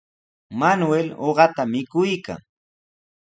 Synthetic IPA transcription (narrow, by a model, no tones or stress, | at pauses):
manweloɢɑt̪amɪkʊjka̰ŋ